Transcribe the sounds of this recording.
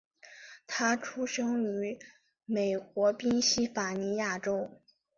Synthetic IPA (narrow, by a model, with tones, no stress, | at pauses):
t̪ʰa˥ʈ͡ʂʰu˥ʂɤ˥ŋy˧˥ | me˨˩ɪkwɔ˧˥pi˥nɕi˥fa˨˩ni˧˥ja˥˩ʈ͡ʂo˥ʊ